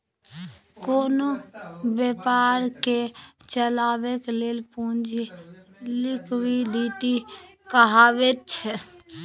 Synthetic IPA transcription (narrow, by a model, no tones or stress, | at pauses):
koːnobjepaɾke | t͡ʃəlaːbekeleːlpũnd͡ʒʱi | lɪkwilit̪i | kəɦaːbet̪̚t͡ʃʰɛ